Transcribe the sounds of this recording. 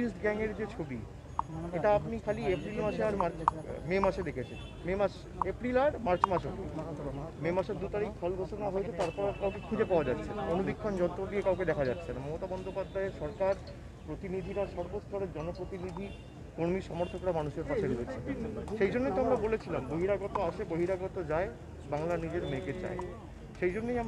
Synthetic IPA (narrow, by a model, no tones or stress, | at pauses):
isʈɡɛŋeɾd͡ʑet͡ɕʰobi | eʈaapnikʰaliepɾilmaʃeaɾmaɾt͡ɕmemaʃed̪ekʰet͡ɕʰen | memaʃ | epɾilaɾmaɾt͡ɕmaʃok | memaʃeɾd̪ut̪aɾik̚fʰɔlɡʱoʃonaɦoet͡ɕʰet̪aɾpɔɾakawkekʰud͡ʑepaoad͡ʑat̪ːɕʰenaonud̪ikʰːond͡ʑɔnt̪odiekawked̪ɛkʰad͡ʑat̪ːɕʰenamɔmot̪abɔnd̪opad̪ʱːaeʃɔɾkaɾ | pɾot̪inid̪ʱiɾaʃɔɾbot̪st̪ʰɔɽeɾd͡ʑɔnopɾot̪inid̪ʱi | koɾmiɾʃɔmoɾt̪ʰokɾamanuʃeɾpat͡ɕʰed̪ibet͡ɕʰenʃejd͡ʑonːejt̪oamɾabolet͡ɕʰilamboɦiɾaɡɔt̪oaʃʰeboɦiɾaɡɔt̪od͡ʑae | baŋlanid͡ʑeɾmeket͡ɕa̰e | ʃejd͡ʑonːejam